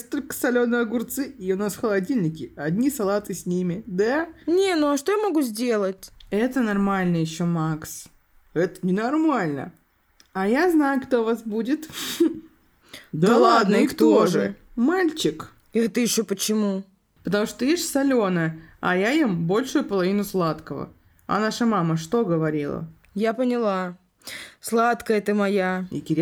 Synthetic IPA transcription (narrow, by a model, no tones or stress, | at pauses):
jesʲtʲt̪olʲkə̥sɐlʲo̞nɨɐɡʊrt̪sɨiʊnasxəlˠɐdʲilʲnʲɪkʲɪɐdʲnʲisɐlˠat̪ɨsʲnʲimʲɪd̪anʲenuɐʂt̪ojamɐɡuzʲdʲe̞lˠətʲɛt̪ənɐrmalʲnɨjɪɕːomaks | ɛt̪ənʲɪnɐrmalʲnə̰ | ajaznajʊkt̪o̞vasbudʲɪt̪ | d̪alˠad̪nəikt̪oʐɨmalʲt͡ɕɪk | ɛt̪əjɪɕːopət͡ɕɪmu | pət̪ɐmuʂt̪t̪ojesʲtʲsɐlʲo̞nəɐ̰jajimbo̞lʲʂʊjʊpəlˠɐvʲinʊslˠat̪kəvə̰ | ɐ̰naʂəmaməʂt̪o̞ɡəvɐɾʲilˠə̰ | japənʲɪlˠa | slˠat̪kəjɛt̪ɨmɐjaɪ̰kʲɪɾʲ